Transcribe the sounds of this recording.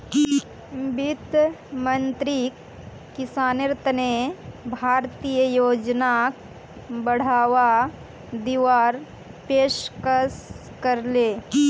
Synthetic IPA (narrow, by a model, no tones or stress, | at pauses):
bɪt̪mənt̪ɾi | kːɪsaːnɾɪt̪nebʱaːɾt̪ijəjoːd͡ʒnak | bɐɽ̤aːʋa | d̪iʋaːɾ | peːʃkəs | kɐɾleː